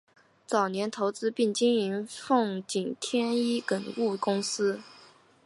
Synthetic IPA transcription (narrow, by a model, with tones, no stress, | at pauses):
t͡sɑ˨˩ʊnjɛ˧˥nt̪ʰo˧˥ʊt͡sɹ̩˥pi˥˩ŋt͡ɕi˥ni˧˥nfɤ˥˩ŋt͡ɕi˨˩nt̪ʰjɛ˥ni˥kə˨˩nu˥˩kʊ˥ŋsɹ̩˥